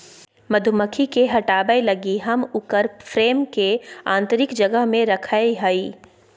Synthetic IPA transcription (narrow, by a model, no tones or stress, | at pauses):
mɐd̪ʱʊməkʰikeɦɐʈaːbəelɐɡiɦɐmʊkəɾfɾeːmkeãːnt̪əɾɪkd͡ʒɐɡəɦmẽɾɐkʰaeɦaiː